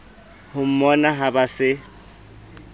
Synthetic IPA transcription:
hʊm̩mɔnaɦabasɪ

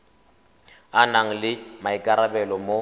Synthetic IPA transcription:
anaŋ̩lɪmaɪkʼaɾabɛlɔmo

